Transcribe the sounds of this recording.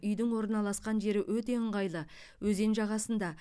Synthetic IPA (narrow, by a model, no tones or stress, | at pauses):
ʏjd̪ɪŋwo̞ɾənɑlˠɑsqɑnʒe̞ɾɪwɵt̪e̞əɴʁɑjlˠə | wʔɵze̞nʒɑʁɑsənd̪ɑ